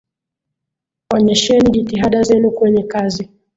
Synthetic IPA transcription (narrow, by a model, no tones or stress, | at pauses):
ɔɲɛʃɛniʄitiɦaɗazɛnukwɛɲɛkazi